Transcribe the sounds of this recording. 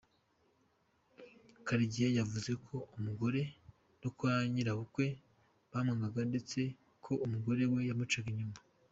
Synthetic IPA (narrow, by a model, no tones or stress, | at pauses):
kaɾiɟijajavuze̞kʰo̞umuɡo̞ɾe̞ | nokuaɲiɾaβukwe̞ | βaːmŋaŋɡaɡande̞t͡se̞ | kʰo̞umuɡo̞ɾe̞we̞jamut͡ʃaɡiɲuma